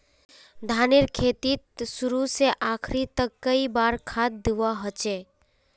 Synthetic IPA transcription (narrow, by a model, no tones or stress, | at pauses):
d̪ʱaneɾkʰet̪it̪suɾuseʔakʰɾit̪əkːəibaɾkʰad̪̚d̪uʋaɦət͡ʃe